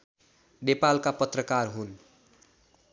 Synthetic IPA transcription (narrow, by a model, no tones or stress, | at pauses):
nepalkapʌt̪rʌkarɦun